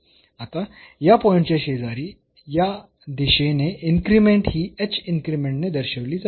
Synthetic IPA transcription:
at̪ajapɔiɳʈt͡ɕeɕed͡zaɾiː | ja | d̪iɕeneiŋkɾimeɳʈɦiːet͡ɕiŋkɾimẽɳʈned̪əɾɕəʋliːd͡za

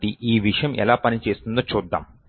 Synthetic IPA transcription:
t̪iʔiːʋiʂɐjɐmʔɛ̰laːpɐnit͡ʃe̞ːst̪und̪oːt͡ʃuːd̪ːa̰ːm

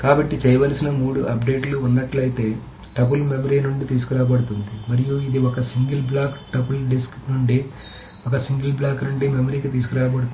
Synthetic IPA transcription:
kaːbɐʈːit͡ʃɛːjɐʋɐlsinɐmuːɽuʔɐp̚ɖe̞ːʈluːnːɐʈlɐjit̪e̞ː | ʈɐp̬ulmemɐɾiːnuɳɖit̪iːs̬u̥kuɾaːbɐɽut̪und̪imɐɾijuid̪iɔkɐsiŋɡilblaːkʈɐpulɖisknuɳɖi | ɔkɐsiŋɡilblaːknuɳɖimemɐɾiːkit̪̬iːs̬ukuɾaːɐbɐɽut̪

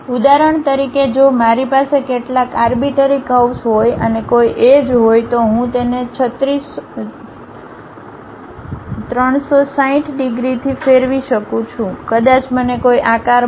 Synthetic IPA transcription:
ud̪aɾəɳt̪əɾiked͡ʒomaɾipasekeʈlakaɾbiʈəɾikəwsɦojənekojʔed͡ʒɦojt̪oɦũt̪enet͡ʃʰət̪ɾis | t̪ɾəɳsosaĩʈʰɖiɡɾit̪ʰifeɾʋiʃəkũt͡ʃʰũkəd̪at͡ʃmənekoiʔakaɾ

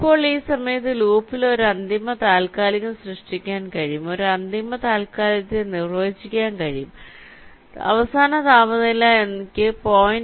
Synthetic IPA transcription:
ipːo̞ːɭiːsɐmɐjɐt̪̬ːɨluːpːilo̞ɾuɐnd̪imɐt̪aːlkaːlɐɣɐmsrɨʂʈikʲːaːnkɐɻijumo̞ɾuɐnd̪imɐt̪aːlkaːlɐt̪ːenirʋɐit͡ɕːikʲːaːnkɐɻijum | ɐ̰ʋɐsaːnɐt̪aːmɐðɐilaenikʲːɨpoːjin

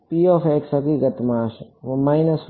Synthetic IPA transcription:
piːofeksɐkiɡɐt̪maːʃmajnɐs

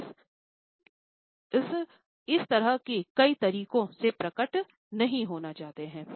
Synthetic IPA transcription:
s | ɪst̪ɐɾəɦkekɐit̪ɐɾiːkõsepɾɐkəʈ | nɐɦĩɦoːnat͡ʃaːt̪eɦɛ̃ː

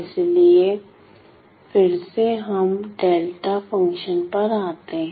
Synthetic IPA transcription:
ɪslie | fɪɾseɦɐmɖeːlʈafə̃ŋkʃənpɐɾaːt̪eɦ

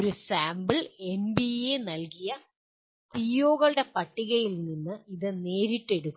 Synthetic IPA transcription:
ɾusaːmbɨɭe̞nbienɐlkijɐ | tijoːɣɐɭɨɽe̞pɐʈːiɣɐjilninːɨiðɨne̞ːɾiʈːe̞ɽukː

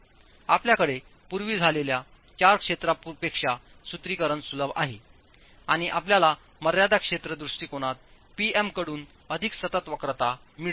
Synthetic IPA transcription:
apljakəɽe | puɾʋiːd͡zʱalelja | t͡ɕaɾkʂet̪ɾappekʂa | sut̪ɾikəɾənsuləbʱa̰ɦe | aɽ̃iʔapljala | məɾjad̪akʂet̪ɾəd̪ɾusʈiːkoɽ̃at̪̚ | piemkəɽuːn | əd̪ʱiksət̪ət̪ʋəkɾət̪a | miɭ

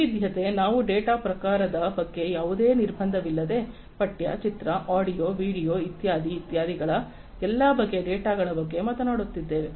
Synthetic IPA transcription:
id̪jɐt̪e̞naːʋuɖeːʈaːpɾɐkaːɾɐd̪ɐpɐɡːe̞jaːʋud̪e̞ːniɾbʱɐnd̪ʱɐʋilːɐd̪e̞ | pɐʈjɐ̰t͡ʃit̪ɾɐʔaːɽijoːʋiːɽijo̞ːit̪jaːd̪iːt̪jaːd̪ʱiɡɐɭɐ | ɛlːaːbɐɡːe̞ɖeːʈaːɡɐɭɐbɐɡːe̞mɐt̪ɐnaːɽut̪ːid̪ːe̞ːʋe

